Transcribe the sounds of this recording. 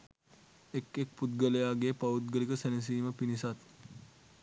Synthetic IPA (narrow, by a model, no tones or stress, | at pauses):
ekek̚put̪̚ɡəlejaːɡeːpɐut̪̚ɡəlikəsænis̬iːməpinisat̪